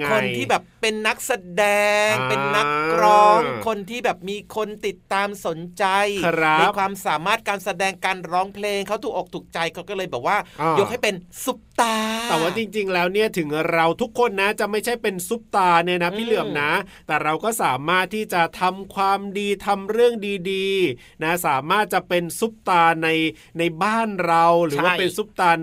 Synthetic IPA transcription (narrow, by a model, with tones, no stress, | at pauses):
ŋkʰo˧nʰiː˥bɛː˨˩pːe˧nːa˦˥k̚sa˧dɛː˧ŋpe˧nːa˦˥k̚ɾɔː˦˥ŋkʰo˧nt̪ʰiː˥˩bɛː˨˩p̚miː˧kʰo˧nt̪i˨˩t̪ːaː˧mso˩˦nt͡ɕa˧jʰɾa˦iː˥pkʰwaː˧msaː˩˦maː˥˩t̪̚kaː˧nsa˧dɛː˧ŋkaː˧nɾɔː˦˥ŋpʰleː˧ŋkʰa˦˥wt̪ʰuː˨˩k̚ʔoː˨˩k̚t̪ʰuː˨˩k̚t͡ɕa˧jkʰa˦˥wkɔː˥˩lɤː˧jbɛː˨˩p̚waː˥˩ʔjo˦˥kha˥˩jpe˧nsu˦˥p̚t̪aː˧t̪ɛː˨˩waː˥˩t͡ɕi˧ŋt͡ɕi˧ŋlɛː˦˥wni˥˩ɐt̪ʰɯ˩˦ŋɾa˧wt̪ʰu˦˥kʰːo˧nːa˦˥t͡ɕa˨˩ʔma˥˩jt͡ɕʰa˥˩jpe˧nsu˦˥p̚t̪aː˧nɯ˥˩əna˦˥pʰiː˥˩lɯ˨˩əmna˦˥t̪ɛː˨˩ɾa˧wkɔː˥˩saː˩˦maː˥˩t̪ʰːiː˥˩t͡ɕa˨˩t̪ʰa˧mkʰwaː˧mdiː˧t̪ʰa˧mɾɯ˥˩əŋdiː˧diː˧ | na˦˥saː˩˦maː˥˩t̪̚t͡ɕa˨˩pe˧nsu˦˥p̚t̪aː˧na˧j | na˧jbaː˥˩nɾa˧wɾɯː˩˦waː˥pe˧nsu˦˥p̚t̪aː˧